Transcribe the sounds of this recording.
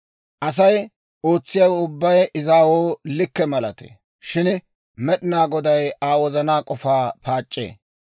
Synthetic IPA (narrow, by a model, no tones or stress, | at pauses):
ʔɐs̬ɐj | o̞ːt͡sːɪjawʊbːɐjɪzaːwoːlɪkːɛmɐlɐt̪ḛ | ʃɪn | mɛɗɪnaːɡɔd̪ɐjaːwɔzɐnaːkʼɔfaːpaːt͡ʃʼːḛː